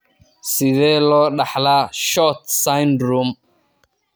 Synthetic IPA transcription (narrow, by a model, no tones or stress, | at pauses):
sɪðɛlɔɗaħlaʃɔt̪sajndɾum